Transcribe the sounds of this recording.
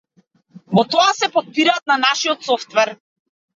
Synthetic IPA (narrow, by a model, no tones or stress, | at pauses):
vɔt̪ɔasɛpɔt̪̚piɾat̪̚nanaʃiɔt̪sɔft̪vɛɾ